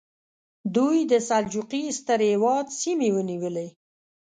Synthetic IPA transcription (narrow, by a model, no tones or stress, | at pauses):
d̪ujd̪əsald͡ʒuqist̪əɾhewɑd̪simewəniwəle